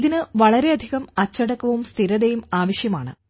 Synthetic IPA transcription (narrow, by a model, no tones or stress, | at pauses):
ðinɨʋɐɭɐɾe̞ɐd̪ʱiɣɐmɐt͡ɕːɐɽɐkːɐʋumst̪ʰiɾɐðejumaːʋɐɕjɐmaːɳɨ̰